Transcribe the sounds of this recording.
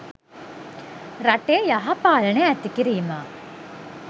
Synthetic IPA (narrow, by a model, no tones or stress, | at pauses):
ɾaʈejaɦapaːləneæt̪ikiɾiːmaː